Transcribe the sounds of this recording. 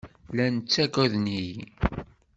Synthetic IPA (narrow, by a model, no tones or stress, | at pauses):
lænt͡sːækæðnij